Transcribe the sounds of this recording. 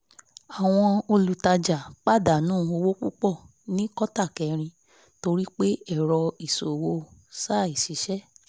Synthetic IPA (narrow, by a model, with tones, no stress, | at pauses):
a˨w̃ɔ̃˧o˧lu˨ta˧d͡ʒa˨k͡pa˦˨da˨nũː˦˨o˧wo˦k͡pu˦k͡pɔ˦˨ | nĩ˦kɔ˦ta˦˨kɛ˨˦ɾ̃ĩ˧ | to˧ɾi˦k͡pe˦ɛ˦˨ɾɔ˧i˨so˨wo˧sa˦˨i˨ʃi˨˦ʃɛ˦˨